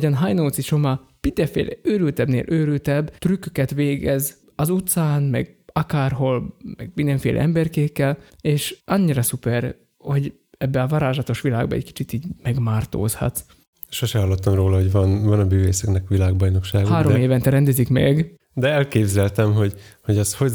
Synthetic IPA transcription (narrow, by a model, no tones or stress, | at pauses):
ɟɒnɦajnoːt̪siʃo̞mɒ | pid̪ɛfḛːlɛøːɾylt̪ɛbnḛːlʔøːɾylt̪ɛbt̪rykøkɛt̪ʋeːɡɛz | ɒzut̪saːnmɛ̰ɡɒkaːrɦo̞lmɛɡ̚mind̪ɛɱfḛːlɛ̰ʔɛmbɛrkeːkːɛleːʃʔɒɲːiɾɒsupɛr | ho̞ɟ | ɛbːɛɒvɒɾaːʒɒt̪o̞ʃʋilaːɡ̚bɒɛ̰cki̥t͡ʃit̪iːɟmɛɡmaːrt̪o̰ːshɒ̰t̪ | ʃoʃɛhɒlːot̪ːɒmroːlɒɦo̞ɟvɒnvɒnɒmyːveːsɛknɛkʋilaːɡbɒjno̞kʃaːɡhaːɾo̞meːvɛnt̪ɛɾɛnd̪ɛzikmɛɡ | d̪ɛɛlkeːbzɛlt̪ɛmɦo̞ɟho̞ɟɒsho